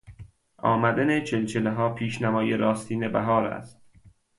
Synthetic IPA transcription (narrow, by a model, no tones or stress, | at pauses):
ɒːmæd̪ænet͡ʃʰelt͡ʃʰeleɦɒːpʰiːʃnæmɒːjeɾɒːst̪ʰiːnebæɦɒːɾæ̰st̪